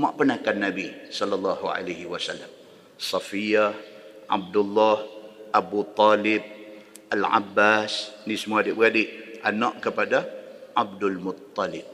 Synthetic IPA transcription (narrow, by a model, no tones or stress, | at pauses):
maʔpənakanːabisɔlalːɑɦuʕa̰lahiwasalːam | sɑfijah | ʔa̰b̚dulːɔhabut̪ˤɔlɪb̚ | alʕa̰bːasnĩsəmuadɪʔbəɾadɪʔʔanɔʔkəpadaʕab̚dalmʊt̪ˤːɑlɪb̚